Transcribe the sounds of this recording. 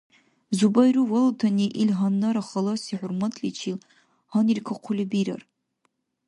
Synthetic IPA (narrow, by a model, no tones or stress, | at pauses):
zubajɾuwaltʰaniʔilɦanːaɾaχɐlasiħʷʊrmatʰlit͡ʃʰil | hanirkʰaqʷʰʊlɪbiɾa̰r